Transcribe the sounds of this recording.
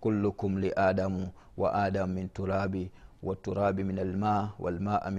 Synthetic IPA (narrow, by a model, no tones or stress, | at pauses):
kʊlːʊkʊmlɪʔaːdamʊ | wa̰ʔaːdamːɪntʊɾaːbiwʔatːʊɾaːbimɪnalmaːwʔa̰lmaːʔamɪ